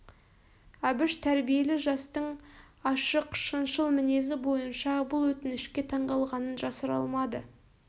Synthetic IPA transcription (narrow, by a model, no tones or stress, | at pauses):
æbɪʃt̪ʰæɾbije̞lɪʒɑst̪əɴ | ɑʃəqʃənʃəlˠmɪne̞zɪbo̞jənʃɑbʊlˠwɵt̪ɪnɪʃkʲe̞t̪ʰɑɴd̪ɑlˠʁɑnənʒɑsəɾɑ̰lˠmɑd̪ə̰